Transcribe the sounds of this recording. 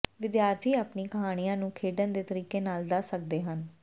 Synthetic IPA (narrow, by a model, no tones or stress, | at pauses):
ʋɪd̪jaːɾt̪ʰiːaːpniːkəɦaːɽ̃ijãːnũːkʰeːɖənd̪eːt̪əɾiːkeːnaːld̪aːsək̚d̪eːɦən